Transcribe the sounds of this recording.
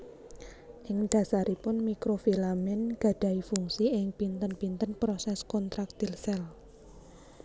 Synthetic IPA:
ʔɪŋd̪̥a̤saɾipʊnmikɾofilamɛnɡ̥ä̤ɖ̪̥ä̤ifuŋsiɪŋpint̪ənpint̪ənpɾosɛskɔnt̪ɾak̚t̪ilsɛl

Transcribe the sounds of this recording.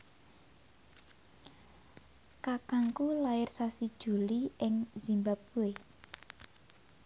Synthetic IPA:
kakaŋkulaɪrsasid̥ʒ̥ṳliɪŋz̥imbap̚uwe

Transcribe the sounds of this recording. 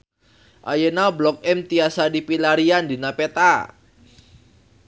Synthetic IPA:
ʔa̰jənablɔk̚ɛmt̪iasadipilaɾiandinapet̪a

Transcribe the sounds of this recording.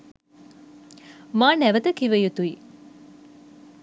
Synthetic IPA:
maːnɛʋət̪əkiʋəjut̪ui

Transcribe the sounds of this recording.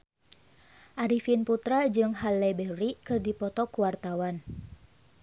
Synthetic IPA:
ʔaɾifinput̪ɾad͡ʒɨŋɦalɛbɛɾikɨrdipɔt̪ɔkuwart̪awan

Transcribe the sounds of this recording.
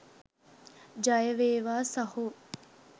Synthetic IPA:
d͡ʒɐjəʋeːʋaːsɐhu

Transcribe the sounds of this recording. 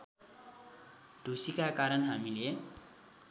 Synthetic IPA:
d̪̥ʱusikakaɾʌnɦamile

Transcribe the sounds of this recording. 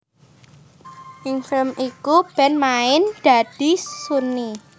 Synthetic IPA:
ʔɪŋfɪlmikub̥ɛnmaɪnd̪̥a̤d̥i̤suni

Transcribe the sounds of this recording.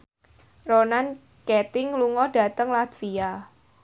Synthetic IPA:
ronan | kɛt̪ɪŋluŋɔɖ̥a̤t̪əŋlat̪fia

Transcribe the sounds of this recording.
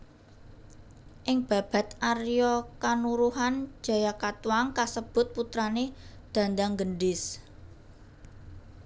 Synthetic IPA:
ʔɪŋb̥ä̤b̥ä̤t̪arjɔkanuɾuɦan̥d͡ʒ̥a̤jakat̪uaŋkasəb̥ʊ̤t̪̚put̪ɾaned̪̥ä̤nd̪aŋɡəɳɖɪs

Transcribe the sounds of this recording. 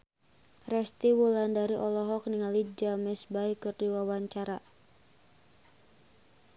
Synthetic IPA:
rɛst̪iwulandaɾiʔɔlɔɦɔk̚niŋalid͡ʒamɛsbaikɨrdiwawaɲt͡ʃaɾa

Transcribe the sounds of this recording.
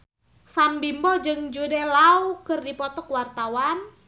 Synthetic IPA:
sambimbɔd͡ʒɨŋd͡ʒudɛlaukɨrdipɔt̪ɔkwart̪awan

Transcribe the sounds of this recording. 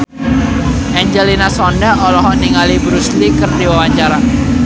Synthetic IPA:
ʔɛɲd͡ʒelinasɔndaɔlɔɦɔʔniŋalibɾuslikərdewawaɲt͡ʃaɾa

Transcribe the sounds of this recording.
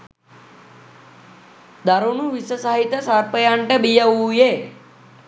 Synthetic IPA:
d̪aɾonuʋisəsaɦit̪ːəsaɾpəjaɳʈəbijəuːje

